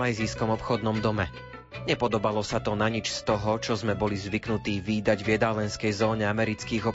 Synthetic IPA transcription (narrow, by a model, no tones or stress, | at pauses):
ajziːskɔmɔpxɔd̪nɔmd̪ɔmɛ | ɲɛpɔd̪ɔbalɔsat̪ɔnaɲit͡ʃst̪ɔɦɔt͡ʃɔzmɛbɔlizʋiknut̪iːʋiːd̪aɟvjɛd̪aːlɛnskɛjzɔːɲɛamɛɾit͡skiːɣɔ